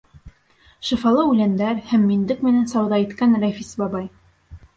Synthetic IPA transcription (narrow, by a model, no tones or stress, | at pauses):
ʃɤ̆fɑlˠɤʉlænd̪æɾhæmːind̪ɘkmɘ̆nænsɑwðɑit̪kænɾæfisbɑbɑj